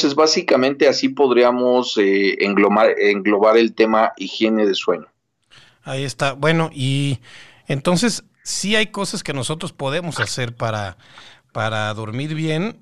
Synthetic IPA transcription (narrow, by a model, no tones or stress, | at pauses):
sezβasikamẽ̞nt̪e̞asipo̞ðɾiamoseeŋɡomaɾeŋɡlo̞βaɾe̞lt̪e̞maʔixje̞ne̞ðe̞swe̞ɲo | aie̞st̪abwe̞no̞ʔi | ent̪o̞nse̞sː | iajko̞saske̞no̞so̞t̪ɾo̞spo̞ðe̞mo̞sase̞ɾpaɾapaɾaðo̞ɾmiɾβje̞n